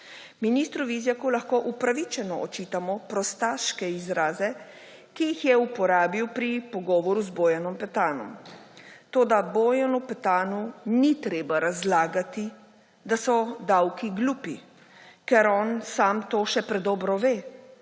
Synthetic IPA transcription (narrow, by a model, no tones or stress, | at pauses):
miniːst̪ɾuʋizjakulaxkoːʔupɾaʋit͡ʃɛnɔʔɔt͡ʃiːt̪amɔpɾɔst̪aːʃkɛizɾaːzɛ | kijixjɛupɔɾaːbiwpɾipɔɡɔːʋɔɾuzboːjanɔmpɛt̪aːnɔ̰m | t̪oːd̪aboːjanupɛt̪aːnunit̪ɾeːbaɾazlaːɡat̪i | d̪asɔd̪awkiɡluːpi | kɛɾɔːnsaːmt̪oːʃɛpɾɛd̪ɔːbɾɔʋeː